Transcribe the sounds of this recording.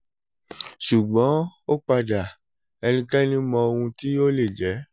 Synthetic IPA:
ʃu˨ɡ͡bɔ̃˨˦o˦k͡pa˧da˨ | ɛ˧nĩ˦kɛ˦nĩ˦mɔ̃˧o˧wũ˧ti˦o˦le˦˨d͡ʒɛ˨˦

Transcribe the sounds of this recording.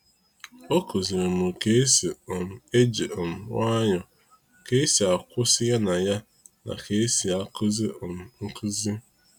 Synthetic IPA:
o˦ku˨zi˨ɾe˨mʊ˨ke˦si˨m̩˨e˦d͡ʒi˨ɔ˨m̩˨wa˦ɲɔ˨ | ke˦e˦si˨a˨kʷʊ˦sɪ˦ja˦na˨ja˦ | na̰˨kʰe˦e˦si˨a˨kʊ˦zi˦˨m̩˨ŋ̩˦kʊ˦zi˦

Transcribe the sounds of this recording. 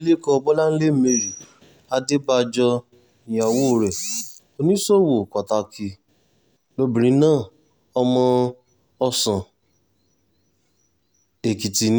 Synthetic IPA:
le˦kɔ˧bɔ˦la˦n̩˦le˦m̩˦me˧ɾi˨ | a˧de˦ba˧d͡ʒɔ˧ | i˨j̃ã˨wo˦˨ɾɛ˨ | o˧nĩ˦so˦˨wo˨ka˨ta˧kʰi˧ | lo˧bĩ˨ɾ̃ĩ˧˦nãː˦˨ | ɔ˧mɔ̃˧ | ɔ˧sã˨ | e˨ki˨ti˨n˦

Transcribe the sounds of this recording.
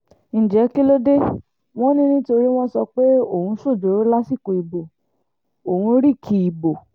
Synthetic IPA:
ñ̩˨d͡ʒɛ˨˦ki˦lo˦de˦ | w̃ɔ̃˦nĩ˦nĩ˦to˧ɾi˦w̃ɔ̃˦sɔ˧k͡pe˦o˦˨hũ˧˦so˦˨d͡ʒo˨˦ɾo˦la˦si˦˨ko˨i˨bo˨ | o˨hũ˧ɾi˦˨kʰi˧i˨bo˨

